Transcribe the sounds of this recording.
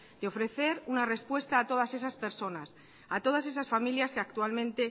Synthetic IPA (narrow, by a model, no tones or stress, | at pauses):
d̪eo̞fɾe̞θe̞ɾunare̞spwe̞st̪aːt̪o̞ð̞ase̞saspe̞ɾso̞nas | at̪o̞ð̞ase̞sasfamiljaskeak̚t̪ualmẽnt̪e̞